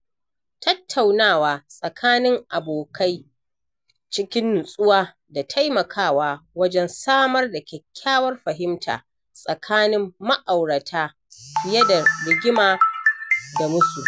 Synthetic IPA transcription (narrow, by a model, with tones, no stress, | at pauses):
tɐ˦tʰːa˨wnaː˦˨waː˨sʼɐ˨kʰaː˦nɪ˦ŋʔa˨boː˨kʰa˦j | t͡ʃɪ˦kʲɪ˦n˨nsʼʊ˦waː˦ | da˨tʰa˦jmɐ˨kʰaː˦˨waː˦wɐ˦d͡ʒɛ˦nsaː˦mɐ˦rda˨kʲɛ˨kʲʰːaː˦wɐ˦rɸɐ˨ɦɪ˦mtʰa̰ː˨ | sʼɐ˨kʰaː˦nɪ˦mːɐ˦ʔa˨wɽɐ˨tʰaː˦ | ɸɪ˨jɐ˦da˨lɪ˨ɡʲɪ˦maː˨ | da˨mʊ˦su˨